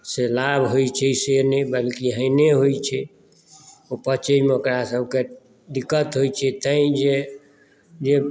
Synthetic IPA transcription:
selabʱɦojt͡ʃʰɛsenebəlkiɦəɪneɦojt͡ʃʰɛ | opət͡ʃəjmeokɾasəbʱke | ɖikːət̪ɦojt͡ʃʰɛt̪əĩd͡ʒe | d͡ʒe

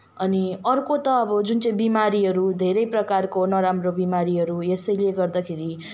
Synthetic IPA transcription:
ʌniʌrkot̪ʌːbʌd͡zunt͡sʌĩbimaɾiɦʌɾud̪ʱeɾʌjprʌkarkonʌɾamrobimaɾiɦʌɾuesʌjlieɡʌrd̪akʰeɾi

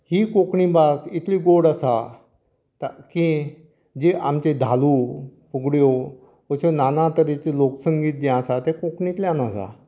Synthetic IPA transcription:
hiːkokɳĩbasit̪ʰliɡoɽasa | t̪aki | d͡ʑeʔamt͡ɕed̪ʱalupuɡɽjo | əɕonanãt̪əɾet͡ɕeloksəŋɡiːt̪̚d̪jãasat̪ekokɳĩt̪ljãnasa̰

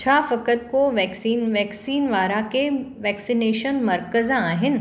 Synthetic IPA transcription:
t͡ʃʰaːfɐkət̪koʋɛːksiːnʋɛːksiːnʋaːɾakeʋɛːksineːʃənmɐɾkəzãaːɦɪnɪ̆

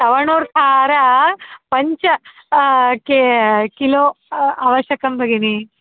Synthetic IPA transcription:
t̪ɐʋɐɳuːɾt̪ʰaːɾɐpɐɲt͡ʃɐ | kekiloːaːʋɐʃjɐkɐmbʱɐɡini

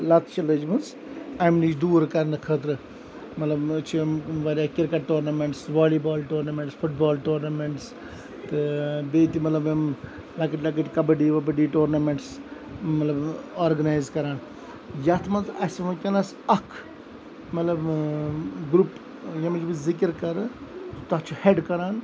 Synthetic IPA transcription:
lɐt̪t͡ʃɐləd͡ʒmɐns | ɐmnit͡ʃd̪uːɾkɐɾnɨkʰəːt̪̬ɾɨ | mɐt̪lɐbt͡ʃʰimʋaɾʲaːkɪɾkɐʈːoːɾnɐmeɳʈsʋaːlibaːlʈoːɾnɐmẽɳʈsfʰuʈ̚baːlʈoːɾnɐmeɳʈs | t̪ɨbeːt̪imɐt̪lɐbjɐm | lɐkəʈʲlɐk̬əʈʲkɐbɐɖiːʋɐbɐɖiːʈoːɾnɐmeɳʈs | mɐt̪lɐbaːɾɡɐnaːjzkɐɾaːn | jɐt̪ʰmɐnt̪ɐsmɐkʲɐnɐs | ɐkʰ | mɐt̪lɐb | ɡɾup | jɐmɐt͡ʃbɨzikəɾkɐɾɨt̪ɐt͡ʃʰuheɖkɐɾaːn

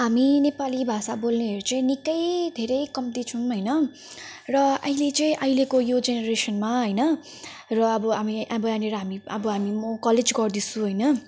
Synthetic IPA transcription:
ɦaminepalibʱasabolneɦʌɾut͡sʌĩnikʌjd̪ʱeɾʌjkʌmt̪it͡sʰunɦʌjnʌ | rʌʌjlet͡sʌĩʔʌjlekojod͡zeneɾesʌnmaɦʌjnʌ | rʌːbʌɦamiʔabʌjaneɾʌɦamiʌbʌɦamimʌkʌled͡zɡʌrd̪isũɦʌjnʌ

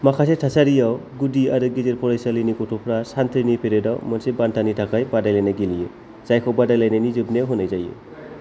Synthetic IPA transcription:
makʰasetʰasaɾijawɡudiaɾuɡizeɾpʰɔɾajsalɯnikɔtʰupʰɾasant̪ʰiɾnipʰeɾedawmɔnsebantʰanitʰakʰajbadajlajnaɡilijɯ | z̥ajkʰɔbadajlajnanizɯbnewɦɯnajzajɯ̰

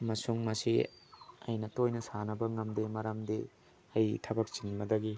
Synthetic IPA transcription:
mɐsuŋmɐsi | ɐ̰jnɐtojnɐsanɐbɐŋɐmdimɐɾɐmdi | ɐjtʰɐbɐk̚t͡ʃinbɐdɐɡi

